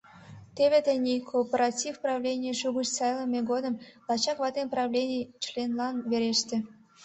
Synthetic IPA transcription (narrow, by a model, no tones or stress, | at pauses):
t̪eβʲet̪enʲikʰopʲeɾɑtʲifprɑvlʲenʲijəʃuɣuʃt͡sɑjlˠəmʲeɡod̪ə̆mlɑt͡ɕɑkvɑt̪enprɑvlʲenʲijt͡ɕlʲenlɑnβeɾeʃt̪ʲĕ